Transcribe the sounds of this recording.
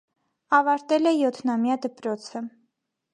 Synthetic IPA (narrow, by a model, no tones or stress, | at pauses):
ɑvɑɾt̪ɛlɛjɔt̪ʰnɑmjɑd̪əpɾɔt͡sʰə